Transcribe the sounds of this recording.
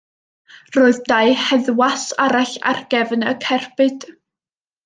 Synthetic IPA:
roːɨðdaɨhɛðwasaɾaɬa̰rɡɛvnəkʰɛrbɨd̥

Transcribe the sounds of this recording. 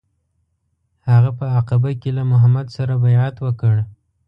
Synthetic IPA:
haɣapəaqɪbakelamʊɦamad̪saɾabajʕat̪wəkəɽ

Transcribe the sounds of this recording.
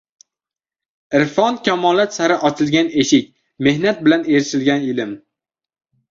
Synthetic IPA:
ɪɾfɒnkʲʰamɒlat̪saɾɪʔɒt͡ʃʰɪlɡʲane̞ʃɪkʲ | me̞hnat̪̚bɪlaneɾʃɪlɡʲanɪlɪm

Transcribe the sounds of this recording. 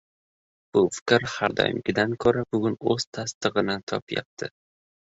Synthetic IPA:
b̥ʊfɪ̥kʲɾhaɾd̪ɒ̰jɪ̰mɡʲɪd̪ankʰoɾabʊɡʲʊnɵz̥t̪ʰast̪ɨʁɨnɪt̪ʰɒ̰pja̰p̚t̪ʰɪ

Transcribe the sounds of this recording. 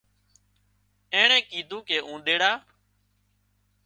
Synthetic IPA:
ẽːɳẽːkiːd̪ʱũːkeːʔũːɗ̪eːɽaː

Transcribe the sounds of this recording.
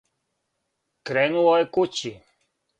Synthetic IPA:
kɾeːnuojekut͡ɕi

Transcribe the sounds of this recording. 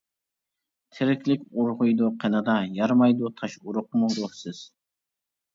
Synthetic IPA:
t̪ʰɪɾɪkʲlɪkʲʊɾʁʊjd̪ʊqʰenɑd̪ɑjɑɾmɑjd̪ʊt̪ʰɑʃʊɾʊq̚mʊɾosɪz̥

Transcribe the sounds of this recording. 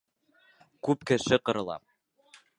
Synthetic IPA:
kʉpkɘ̆ʃɘqɤ̆ɾɤ̆lˠɑ̰m

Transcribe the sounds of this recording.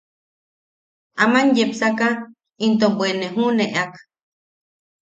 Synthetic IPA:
amanjepsaka | int̪ombweneɦuneʔak

